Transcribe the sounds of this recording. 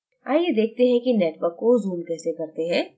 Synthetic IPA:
aːjed̪eːk̚ʰt̪eɦɛ̃kinɛːʈʋəɾkːozuːmkɛːsekɐɾt̪eɦɛ̃ː

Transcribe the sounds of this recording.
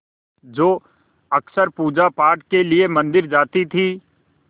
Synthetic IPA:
d͡ʒoː | ɐksəɾpuːd͡ʒapaːɾʈ̚keliemɐ̃nd̪ɪɾd͡ʒaːt̪it̪ʰiː

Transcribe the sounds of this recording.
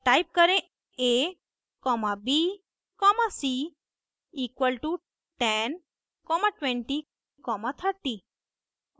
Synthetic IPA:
ʈajp̚kəɾẽ | e | kɔmãbi | kɔmasi | ikʋəlʈu | ʈɛn | kɔmãʈʋɛ̃ɳʈi | kɔmãt̪ʰəɾt̪i

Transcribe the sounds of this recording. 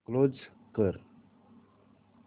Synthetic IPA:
klod͡ʒ | kəɾ

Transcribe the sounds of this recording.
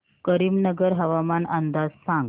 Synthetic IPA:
kəɾiːmnəɡəɾɦəʋamanənd̪ad͡zsãŋɡ

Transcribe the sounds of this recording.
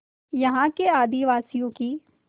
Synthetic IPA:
jɐɦãkeaːd̪iʋaːsijõkiː

